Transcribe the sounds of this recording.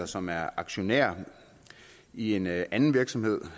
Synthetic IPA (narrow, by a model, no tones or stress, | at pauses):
ɐsɒ̽mæɐɑ̈ɡ̥ɕo̝neɐ̰ | ie̝nænn̩ʋiɐɡ̥sɒ̽mhe̝ð̞̰ˠ